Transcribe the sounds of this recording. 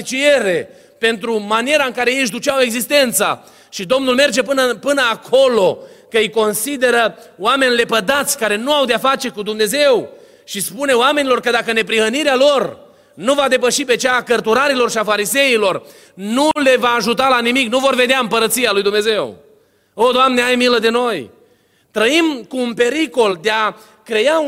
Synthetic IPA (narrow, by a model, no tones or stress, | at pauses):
t͡ʃie̞ɾe̞ | pe̞nt̪ɾumanieɾaɨŋkaɾe̞jeʃ̬d̪ut͡ʃawe̞ɡzist̪e̞nt̪sa̰ | ʃid̪o̞mnulme̞rd͡ʒe̞pɨnəpɨnəakʰo̞lo̞kəɨjko̞nsid̪e̞ɾəoame̞nʲle̞pəd̪at̪sʲkaɾe̞nuawd̪eafat͡ʃe̞kud̪umne̞ze̞w | ʃispune̞oame̞nilo̞rkəd̪akəne̞pɾihəniɾealo̞r | nuvad̪e̞pəʃipe̞t͡ʃaːkərt̪uɾaɾilo̞rʃiafaɾize̞ilo̞r | nule̞vaːʒut̪̬alanimiknuvo̞rve̞d̪eaɨmpəɾət̪sijalujd̪umneze̞w | od̪oamneajmiləd̪e̞no̞j | t̪ɾəimkuːnpe̞ɾiko̞ld̪ea | kɾe̞ja